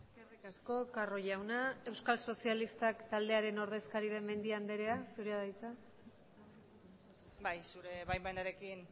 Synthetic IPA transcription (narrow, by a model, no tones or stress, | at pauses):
eskerikasko̞karo̞ʝawnae̞wskalso̞sialist̪akt̪ald̪e̞aɾe̞no̞ɾð̞e̞skaɾið̞e̞mːe̞nd̪iand̪e̞ɾe̞asuɾeaðajt͡s̪a | bajsuɾe̞βajmbajnaɾe̞kin